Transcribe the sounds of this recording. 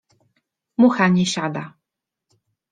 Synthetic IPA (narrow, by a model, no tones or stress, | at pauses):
muxaɲʲɛɕad̪a